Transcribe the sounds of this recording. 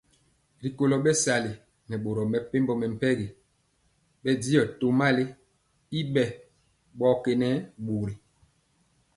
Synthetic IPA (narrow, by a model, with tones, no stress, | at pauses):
ɾi˨ko˦lɔ˨ɓɛ˦sa˨le˨ | nɛ˨ɓo˨ɾɔ˨mɛ˨pe˦mbɔ˦mɛ˨m̩˨pɛ˦ɡe˨ | ɓɛ˦di˦ɔ˨to˨ma˦le˦ | i˦ɓɛ˦˨ | ɓɔ˦ke˨nɛ˦ɓo˨ɾe˨